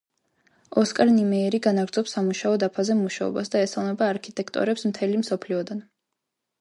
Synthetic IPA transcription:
ɔskʼaɾnimɛːɾiɡanaɡɾd̪zɔpsamuʃaɔd̪apʰazɛmuʃaɔ̰basd̪aɛsalˠmɛbaːɾkʰit̪ʼɛkʰt̪ʼɔ̰ɾɛpsmt̪ʰɛlimsɔpʰliɔd̪an

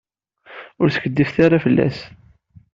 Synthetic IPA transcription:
ʊɾθə̥kəd̪ːifθaɾˤafəlːæ̰s

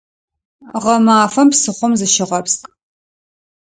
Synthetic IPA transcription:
ʁɐmaːfɐmpsɨχʷʊmzɨʃɪʁɐpstʼ

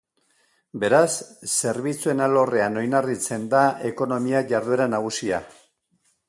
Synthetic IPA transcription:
be̞ɾasːe̞ɾβit͡sue̞nalo̞re̞ano̞jnarit͡se̞nd̪ae̞ko̞no̞miaʝaɾðueɾanaɣ̞usia

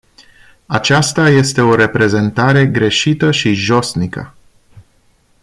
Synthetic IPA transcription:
at͡ʃast̪aje̞st̪e̞o̞ɾe̞pɾe̞ze̞nt̪aɾe̞ɡɾe̞ʃit̪əʃiʒo̞snikə̰

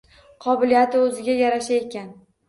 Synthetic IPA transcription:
qʰɒbɪlijat̪ɪɵzɪɡʲajaɾaʃaekʲʰan

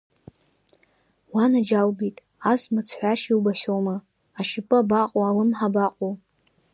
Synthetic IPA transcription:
wanad͡ʒawbijtʼ | asmɨt͡sʰħʷᶣaʃiwbaʃʲoma | aʃɪpʼɨabaqʼoalɨmħabaqʼu

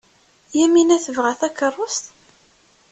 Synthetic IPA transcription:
jæminæθəvʁæθækərˤːʊst̪

